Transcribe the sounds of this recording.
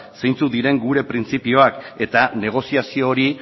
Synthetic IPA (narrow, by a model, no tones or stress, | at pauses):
sejnt͡sud̪iɾe̞ŋɡuɾe̞pɾint͡sipio̞ake̞t̪ane̞ɣ̞o̞siasio̞ːɾi